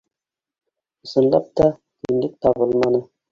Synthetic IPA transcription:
ŏsɤ̆nlˠɑp̚t̪ɑ | kɵnlɘk̚t̪ɑβɤlˠmɑnɤ

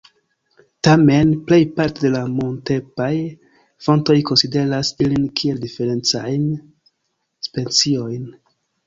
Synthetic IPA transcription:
tame̞nple̞jpaɾtede̞lamonte̞paj | fo̞nto̞jko̞nside̞ɾasilinkʰieldife̞ɾe̞nt͡sajn | spe̞nt͡sio̞jn

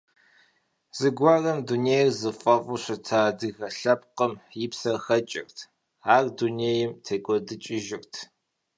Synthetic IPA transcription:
z̥ɨɡʷaːrɐmduneːjrzɨfʼɐvʼʊɕʷɐtʰaːdɨɣɐɬɐp̚qəmjɪpsɐxɐt͡ʃʼɪ̰rtʰ | aːrduneːjɪmtʰeːkʷʼɔdɨt͡ʃʼɪʒɪrtʰ

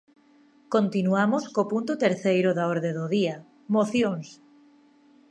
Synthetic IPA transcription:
kõnt̪inuamoskopunt̪ot̪eɾθejɾoðaoɾðeðoðia | moθjoŋs

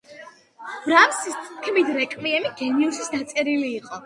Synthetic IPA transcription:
bɾamsist̪sʼkʰmid̪ɾɛkʼmiɛmiɡɛniusisd̪at̪sʼɛɾiliːqʼɔ

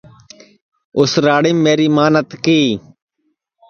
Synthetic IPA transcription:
ʊsɾaːɽiːmːeːɾiːmaːnət̪kiː

